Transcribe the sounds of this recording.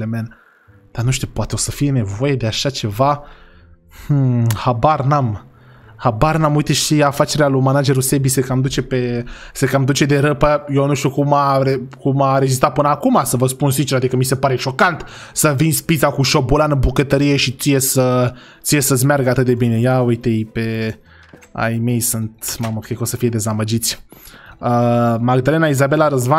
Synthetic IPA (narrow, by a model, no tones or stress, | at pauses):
lemel | d̪̥anuʃt̪upoat̪eo̞səfije̞ne̞vo̞je̞d̪eaʃat͡ʃe̞va | h̩habarnam | habarnamujt̪eʃiafat͡ʃe̞ɾealumanad͡ʒe̞ɾusebisekamd̪ut͡ʃe̞pe̞sekamd̪ut͡ʃe̞d̪e̞ɾəpəjewnuʃt̪ukumaɾekumaɾezist̪ɾat̪̚pɨnəakumasəvəspunsit͡ʃeɾad̪ikəmise̞paɾe̞ʃo̞kant̪ | səvinspit̪sakuʃo̞bolanəmbukət̪əɾijeʃit̪sijesə | t̪sijesəs̬ʲmearɡəat̪ɨt̪̚d̪e̞bine̞jaujt̪ejpe | a̰jme̞jsɨnt̪maməkekosəfije̞d̪e̞zaməd͡ʒit̪sʲ | əmaɡd̪ale̞naizabe̞laɾəzva